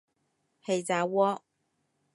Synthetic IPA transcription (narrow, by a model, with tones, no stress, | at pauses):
he˨˩jt͡saː˨˧wɔː˧˥